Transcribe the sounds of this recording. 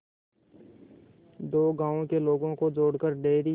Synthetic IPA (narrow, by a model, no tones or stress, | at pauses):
d̪oːɡãːõkeloːɡõkod͡ʒoːɽkəɾɖeːɾi